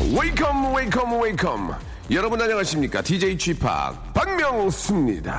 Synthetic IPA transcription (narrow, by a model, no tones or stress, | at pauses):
welkʰʌmwelkʰʌmwelkʰʌ̰m | jʌɾʌbunaɲʌŋaɕʰimɲik͈a̰tid͡ʑeit͡ɕʰwipʰa̰k̚paŋmjʌŋs͈ɯmɲḭda̰